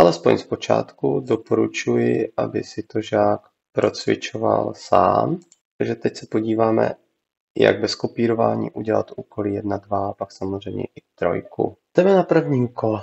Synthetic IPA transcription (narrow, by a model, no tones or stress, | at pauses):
ʔalɛspo̞̰ɲspo̞t͡ʃa̰ːt̪kudopoɾut͡ʃujɪʔa̰bɪsɪt̪oʒaːk | pɾo̞t͡svɪ̰t͡ʃova̰lsa̰ːm | aɡʒɛt̪ɛcsɛpo̞ɟiːvaːmɛ̰ | ja̰ɡbɛskopiːɾo̞vaːɲḭːʔuɟɛla̰t̪ʔuːkoliːjɛdnadvapaksamozr̝ɛjmɲɛ̰ʔɪt̪ɾo̞̰jkṵd̪̥ɛmɛnapr̩vɲiːmkʰol